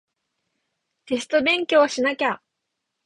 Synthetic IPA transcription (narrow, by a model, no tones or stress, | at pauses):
t̪e̞s̬ɨ̥t̪o̞bẽ̞ŋkʲo̞ːɕinakʲa